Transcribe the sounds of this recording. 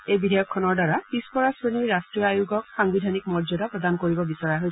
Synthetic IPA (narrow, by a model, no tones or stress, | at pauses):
ejbidʱajɔkʰːɔnɔɹdaɹapispɔɹasɹeniɹɹastɹijɔajuɡɔk̚xaŋbidʱanik̚mɔɹzɔdapɹɔdankoɹibɔbisɔɹjaɦoj